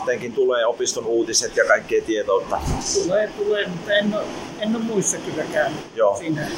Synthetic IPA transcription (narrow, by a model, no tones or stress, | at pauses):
t̪eŋkint̪uleːopist̪onuːt̪iset̪jɑkɑikːeːt̪iet̪oˑt̪ːɑt̪uleːt̪uleːmut̪ːɑenːo | enːommuist̪ɑkylːækæynyjoːsiːnæ